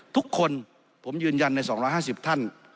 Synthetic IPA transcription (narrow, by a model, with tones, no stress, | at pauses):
t̪ʰu˦˥kʰːo˧n | pʰo˩˦mjɯː˧nja˧nːa˧jsɔː˩˦ŋɾɔː˧˥jɦaː˥˩si˨˩p̚t̪ʰa˥˩n